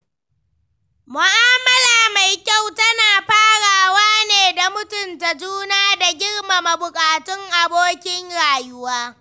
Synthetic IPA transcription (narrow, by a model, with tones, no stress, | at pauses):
mʊ˨ʔaː˦mɐ˦laː˨ma˨jkʲa˦˨wtɐ˦naː˨ɸaː˦ɽaː˨waː˦neː˨da˨mʊ˦tʊ˨nta˨d͡ʒuː˦naː˦da˨ɡʲɪ˦ɽma˨ma˨bʊ˨kʼaː˨tʊ˦ŋʔa˨boː˦kʲɪ˦ŋɽaː˨jʊ˦waː˦